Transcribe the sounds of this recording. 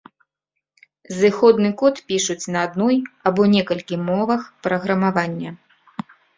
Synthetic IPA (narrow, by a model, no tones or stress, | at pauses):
zɨxɔd̪nɨkɔt̪pʲiʂut͡sʲnɐːd̪nɔjɐbɔnʲɛkɐlʲkʲimɔvɐxpɾɐɣɾɐmavanʲːɐ